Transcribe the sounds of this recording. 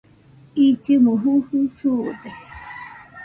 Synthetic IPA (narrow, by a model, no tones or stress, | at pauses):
it͡ʃɨmuɦuhusut̪e